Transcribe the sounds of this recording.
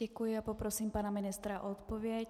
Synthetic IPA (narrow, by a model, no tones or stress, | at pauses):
ɛkujɪapopɾosiːmpanamɪnɪst̪ɾaʔot̪povjɛc